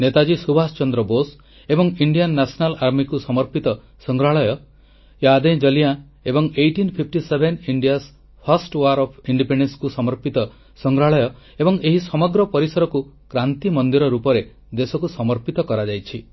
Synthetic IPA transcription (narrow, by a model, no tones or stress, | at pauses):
net̪ad͡ʒisubʱast͡ʃɔnd̪ɾɔbos | ebɔŋiɳɖijanːasɔnalaɾmikusɔmɔɾpit̪ɔ | sɔŋɡɾaɭɔjɔ | jad̪ed͡ʒɔlija | ebɔŋejʈinpʰip̚ʰʈisebʱeniɳɖijas | pʰasʈwaɾɔpʰiɳɖipeɳɖenskusɔmɔɾpit̪ɔ | sɔŋɡɾaɭɔjɔ | ebɔŋeɦisɔmɔɡɾɔpɔɾisɔɾɔku | kɾant̪imɔnd̪iɾɔɾupɔɾe | d̪esɔkusɔmɔɾpit̪ɔkɔɾad͡ʒajt͡ʃʰi